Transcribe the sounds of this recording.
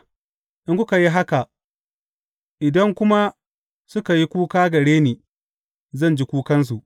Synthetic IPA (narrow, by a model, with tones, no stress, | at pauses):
ʔɪ˦ŋkʊ˦ka˨ji˦ɦa˦ka˨ | ʔɪ˨dɐ˦ŋkʷʊ˦ma˦ | sʊ˦ka˨ji˦kʷuː˦kaː˦ɡɐ˨ɽeː˦neː˨ | zɐ˦˨nd͡ʒi˦kʷuː˦kɐ˦ns̬u˨ʔ